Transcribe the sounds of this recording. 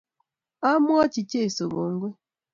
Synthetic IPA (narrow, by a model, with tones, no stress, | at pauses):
a˦mwa˦t͡ʃi˨ce˦i˨so˨ɡo˨ŋ˦ɡwe˦